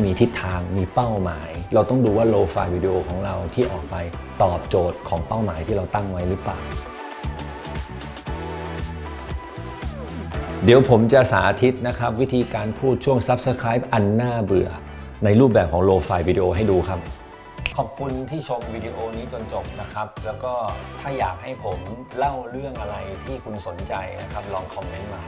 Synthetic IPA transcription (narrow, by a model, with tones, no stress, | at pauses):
miː˧t̪ʰi˦˥t̪ʰːaː˧ŋmiː˧pa˥˩wmaː˩˦jɾa˧wt̪ɔ˥˩ŋduː˧waː˥˩loː˧fa̰ː˧jwiː˧di˧ʔoː˧kʰɔː˩˦ŋɾa˧wt̪ʰiː˥˩ʔɔː˨˩k̚pa˧j | t̪ɔː˨˩p̚t͡ɕoː˨˩t̪̚kʰɔː˩˦ŋpa˥˩wmaː˩˦jt̪ʰiː˥˩ɾa˧wt̪a˥˩ŋwa˦˥jɾɯ˦˥plaː˨˩w | di˨˩˦əwpʰo˩˦mt͡ɕa˨˩sa̰ː˩˦ʔt̪ʰi˦˥t̪̚na˦˥kʰa˦˥p̚wi˦˥t̪ʰiː˧kaː˧npʰuː˥˩t̪̚t͡ɕʰu˥˩əŋsa˦˥p̚sə˧kʰɾaː˦˥p̚ʔa˧nːaː˥˩bɯ˨˩ə | na˧jɾuː˥˩p̚bɛː˨˩p̚kʰɔː˩˦ŋloː˧faː˧jwiː˧di˧ʔoː˧ɦa˥˩jduː˧kʰa˦˥p̚ | kʰɔː˨˩p̚kʰu˧nt̪ʰiː˥˩t͡ɕʰo˧mwiː˧di˧ʔoː˧niː˦˥t͡ɕo˧nt͡ɕo˨˩p̚na˦˥kʰɾa˦˥p̚lɛː˦˥wkɔː˥˩t̪ʰaː˥˩jaː˨˩k̚ɦa˥˩jpʰo˩˦mla˥˩wɾɯ˥˩əŋʔa˧ɾa˧jt̪ʰiː˥˩kʰu˧nso˩˦nt͡ɕa˧jna˦˥kʰa˦˥p̚lɔː˧ŋkʰɔ˨˦˩mne˦˥nmaː˧˩